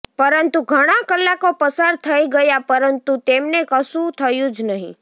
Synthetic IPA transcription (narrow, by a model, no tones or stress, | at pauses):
pəɾənt̪uɡʱəɽ̃akəlːakopəsaɾt̪ʰəiɡəjapəɾənt̪ut̪emnekəsũt̪ʰəjũd͡ʒnəɦḭ̃